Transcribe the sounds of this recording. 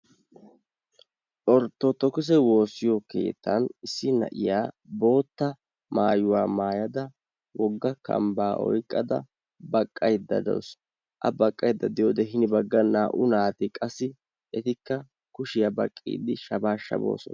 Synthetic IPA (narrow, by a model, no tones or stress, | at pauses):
ʔɔɾt̪ːɔt̪ɔkʊs̬ɛwo̞ːsːɪjɔke̞̰ːt̪ːɐnɪsːɪnɐ̰ʔɪjaː | bo̞ːt̪ːɐ | maːjʊwaːmaːjɐd̪ɐ | wɔɡːɐkɐ̰mbaːʔɔ̰jkʼːɐd̪ɐ̰ | bɐkʼːɐjd̪ːɐ̰d̪o̰s | ʔɐ̰bɐkʼːɐjd̪ːɐd̪ɪjoːd̪ɛɦɪnɪbɐɡːɐnaːʔʊnaːt̪ɪkʼɐsːɪ | ʔɛt̪ɪkːɐ | kʊʃɪjɐbɐkʼːḭːd̪ɪʃɐbaːʃːɐ̰bo̞̰ːsɔ̰n